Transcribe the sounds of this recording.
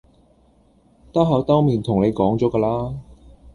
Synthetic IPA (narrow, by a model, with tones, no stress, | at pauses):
t̪ɐ˥wɦɐ˨˥wt̪ɐ˥wmiː˨nt̪ʰʊ˨˩ŋne˨˧jkɔː˨˥ŋt͡ʃɔː˨˥kaː˧laː˥